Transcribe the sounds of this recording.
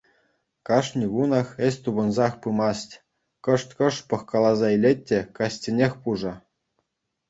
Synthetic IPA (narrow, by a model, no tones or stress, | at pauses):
kɑʂnʲiɡunɑxesʲt̪ubɤ̆nzɑxpɯmɑsʲtʲ | kɤ̆ʂt̪ʲkɤ̆ʂpɤ̆xkɑlˠɑzɑilʲetʲːĕkɑsʲtʲĕnʲexʲpuʐɤ̆